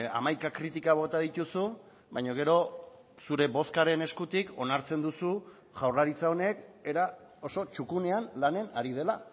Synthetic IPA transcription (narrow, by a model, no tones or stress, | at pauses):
a̰majkakɾit̪ikaβ̞o̞t̪að̞it̪usu | bajɲoɣ̞e̞ɾo̞ | suɾe̞βo̞skaɾe̞ne̞skut̪iko̞naɾt͡se̞nd̪usu | ʝawrlaɾit͡sao̞ne̞ke̞ɾa | o̞so̞t͡ʃukune̞anlane̞naɾið̞e̞la